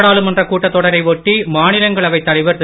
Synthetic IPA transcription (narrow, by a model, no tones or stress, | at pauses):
ɽaːɭɯmɛndrɐkuːʈːɐt̪ːɔɽɐɾɐɪʋɔʈːimaːnɪlɐŋɡɐɭɐʋɐɪt̪ːɐɽɪʋɐɾ